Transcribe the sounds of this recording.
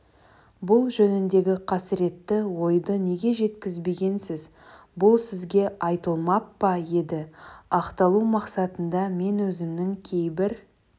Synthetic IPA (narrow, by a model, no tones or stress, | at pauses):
bʊlˠʒɵnɪnd̪e̞ɡʲɪqʰɑsɪɾe̞t̪ːɪwo̞jd̪əne̞ɡʲe̞ʒe̞t̪kʲɪzbe̞ɡʲe̞nsɪz | bʊlˠsɪzɡʲe̞ʔɑjt̪əlˠmɑpːɑje̞d̪ɪɑqt̪ɑlˠumɑqsɑt̪ənd̪ɑme̞nwɵzɪmnɪŋkʲʰe̞jbɪɾ